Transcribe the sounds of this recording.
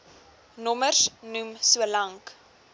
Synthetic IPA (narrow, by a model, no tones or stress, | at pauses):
nɔmərsnumsuəlɐŋk